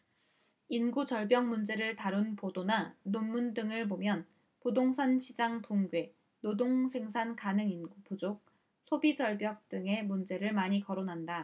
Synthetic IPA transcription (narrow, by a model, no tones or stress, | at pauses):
inɡut͡ɕʌɭbjʌŋmund͡ʑe̞ɾɯɭtaɾunpodonanonmːundɯŋɯɭbomjʌn | podoŋsʰanɕʰid͡ʑaŋpuŋɡwe̞ | nodoŋsʰe̞ŋsʰankanɯŋinɡupud͡ʑok̚ | sʰobid͡ʑʌɭbjʌk̚t͈ɯŋe̞mund͡ʑe̞ɾɯɭmaɲikʌɾonɦanda